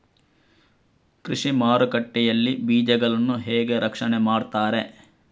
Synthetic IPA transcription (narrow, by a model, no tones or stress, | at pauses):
kɾiʂimaːɾukɐʈːɛjɐlːibiːd͡ʒɛɡɐɭɐnːuɦɛːɡe̞ɾʔɐkʂɐnemaːɖt̪aːɾe̞